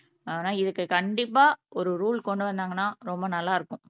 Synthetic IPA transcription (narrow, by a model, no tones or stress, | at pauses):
aːnaːɪðɯkːɯkɐɳɖɪpːaːʔɔɾɯɾuːlkɔɳɖɯʋɐnd̪aːŋɡɐnːaːɾɔmbɐnɐlːaːɪɾɯkːʊ̃